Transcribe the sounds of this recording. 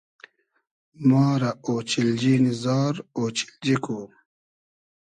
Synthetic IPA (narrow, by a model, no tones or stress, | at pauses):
mɑːɾaoːt͡ɕild͡ʑinizɑːɾoːt͡ɕi̥ld͡ʑiko